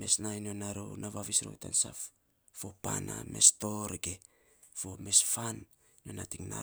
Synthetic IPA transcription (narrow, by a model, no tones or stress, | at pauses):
me̞snajnonaɾo̰naβaβisɾo̰jta̰nsa̰f | fo̞paname̞sto̞ɾɡe | fo̞me̞sfan | nonatiŋna̰